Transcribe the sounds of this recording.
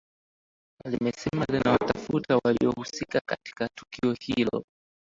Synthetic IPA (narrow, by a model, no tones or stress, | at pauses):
alimɛsɛmalɛnawatafutawaliɔhusikakati̥katu̥kiɔhilɔ̰